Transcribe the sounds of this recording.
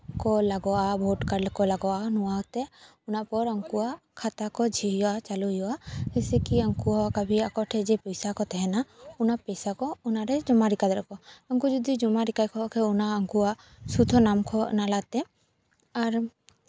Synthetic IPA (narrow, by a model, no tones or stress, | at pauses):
kɔlaɡɔabʱoʈkaɾlkɔlaɡɔanuwat̪ɛ | unapɔɾəŋkuakʰat̪akɔd͡ʒʱiɦijat͡ʃaluɦiaɛsɛkiəŋkuakabʱiakɔʈʰɛd͡ʒɛpɔjsakɔt̪ɛɦɛnaunapɔjsakɔunaɾɛd͡ʒɔmaɾikad̪ɾɛkɔəŋkud͡ʒud̪id͡ʒɔmaɾikajkʰɔkʰɛunaəŋkua | sud̪ʱɔnamkʰɔnalat̪ɛ | aɾ